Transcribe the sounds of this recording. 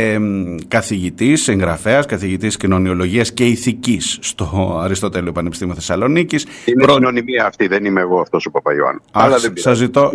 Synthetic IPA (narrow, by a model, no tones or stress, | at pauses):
kɐθiʝit̪isiŋɣɾɐfe̞ɐskɐθiʝit̪iscino̞nio̞lo̞ʝiɐsce̞iθicisːt̪o̞ɐɾist̪o̞t̪e̞liopɐnepist̪imioθesɐlo̞nicis | ineɾononimiɐːft̪iðenimeːɣo̞ɐft̪o̞sopɐpɐioɐ̰nɐlɐsɐzit̪o̞